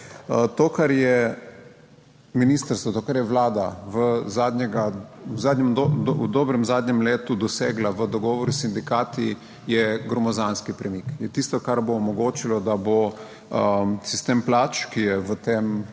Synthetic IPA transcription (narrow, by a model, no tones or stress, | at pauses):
ət̪oːkaɾjɛ | miniːst̪əɾst̪ʋɔt̪oːkaɾjɛʋlaːd̪aʋəzaːd̪ɲɛɡawzaːd̪ɲɛmdod̪oːbɾɛmzaːd̪ɲɛmleːt̪ud̪ɔseːɡlaʋəd̪ɔɡɔːʋɔɾusind̪ikaːt̪i | jɛɡɾɔmɔzanskipɾɛmikjɛt̪ist̪ɔkaɾboːmɔɡoːt͡ʃilɔd̪abo | əsist̪emplat͡ʃkijɛʋət̪eːm